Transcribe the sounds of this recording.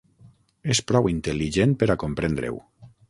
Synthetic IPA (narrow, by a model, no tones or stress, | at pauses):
espɾɔwint̪eliʒenpeɾakompɾend̪ɾḛw